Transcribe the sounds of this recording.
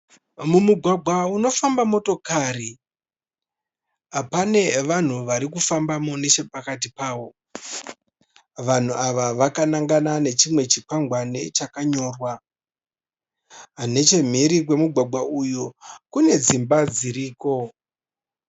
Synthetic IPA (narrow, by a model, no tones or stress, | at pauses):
mumuɡʱwaɡʱwauno̞fambamo̞to̞kari | apane̞ʋan̤uʋaɾikufambamone̞t͡ʃe̞pakatipaːʋo̞ | ʋan̤uaʋaʋakanaŋɡanane̞t͡ʃimwe̞t͡ʃikwaŋɡwane̞t͡ʃakaɲo̞ːrwa | ne̞t͡ʃe̞m̤iɾik̬we̞muɡʱwaɡʱaujokune̞d͡zimbad͡ziɾiːko̞